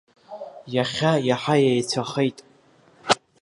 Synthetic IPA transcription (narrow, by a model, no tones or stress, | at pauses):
jaχʲajaħajajt͡sʷʰaχejtʼ